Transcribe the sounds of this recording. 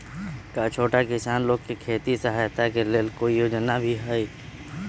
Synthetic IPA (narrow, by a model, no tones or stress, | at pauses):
kaːt͡ʃʰoːʈakɪsaːnloːɡ̚kikʰeːt̪isəɦajt̪akeleːlkoːijoːd͡ʒnabʱiɦai